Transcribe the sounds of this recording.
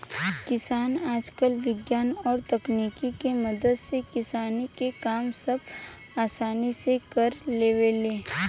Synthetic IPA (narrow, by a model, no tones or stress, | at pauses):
kɪsaːnaːd͡ʒkəlʋɪɡjaːnɔːɾt̪ɐkniːkikemɐd̪əd̪sekɪsaːnikekaːmsɐb | aːsaːnisekɐɾleːʋeleː